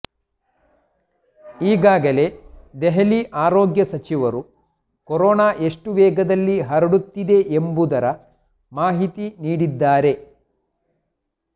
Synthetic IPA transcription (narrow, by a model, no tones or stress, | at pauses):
iːɡaːɡɐle̞d̪eɦɐliʔaːɾoːɡjɐsɐt͡ʃiʋɐɾu | kɔɾɔːnaːʔe̞ʂʈuʋɛːɡɐd̪ɐlːiɦɐɾɐɽut̪ːid̪e̞ʔembud̪ɐɾɐ | maːɦit̪iniːɽid̪ːaːɾe̞